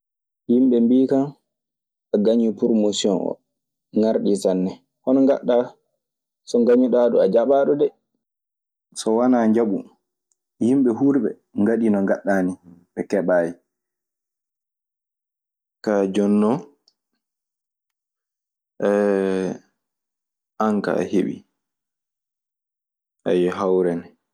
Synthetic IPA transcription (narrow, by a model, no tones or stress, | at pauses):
himɓɛmbiːkan | aɡaɲipɾomosiɔnɔ̰ | ŋaɾɗisanːɛ | hɔnɔŋɡa̰ɗːa | sɔŋɡaɲuɗaːɗɔad͡ʒaɓaːɗɔdɛ | sɔwanaːɲd͡ʒaɓu | himɓɛɦuɾɓɛ̰ | ŋɡaɗinɔŋɡaɗːaːniɓɛkɛɓaːji | kad͡ʒɔnːɔ | ʔɛ | ʔaŋka̰heɓḭ | ʔajɛɦawɾɛnɛ